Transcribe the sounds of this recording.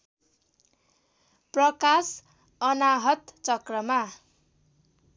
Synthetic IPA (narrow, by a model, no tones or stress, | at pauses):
prʌkas | ʌnaɦʌt̪t͡sʌkrʌma